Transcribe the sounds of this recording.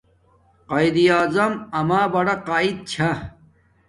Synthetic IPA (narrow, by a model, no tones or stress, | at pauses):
qɐid̪iaːzɐmɐmaːbɐɽɐqaːid̪̚t͡ɕʰa